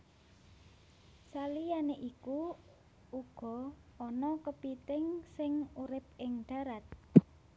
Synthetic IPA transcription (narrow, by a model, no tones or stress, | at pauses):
salijaneʔiku | uɡ̥ɔ̤ɔnɔkəpit̪ɪŋsɪŋuɾɪp̚ɪŋɖ̪̥a̤ɾat̪̚